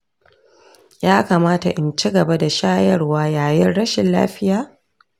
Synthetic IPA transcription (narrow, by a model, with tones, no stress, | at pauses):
jaː˦kaː˨maː˦ta̰˨ʔɪ˨nt͡ʃi˦ɡɐ˨ba˦da˨ʃaː˦jɐ˦rwaː˦jaː˨jɐ˦nɽɐ˦ʃɪ˨nla̰ː˦ɸɪ˦jaː˦